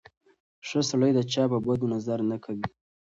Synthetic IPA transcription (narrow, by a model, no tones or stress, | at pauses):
ʂəsaləjd̪ət͡ʃɑpəbad̪unazaɾnakʰawi